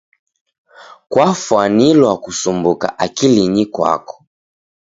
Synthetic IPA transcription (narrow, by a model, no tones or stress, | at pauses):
kwafwanilwakusumbuka̰ʔakiliɲikwa̰kɔ̥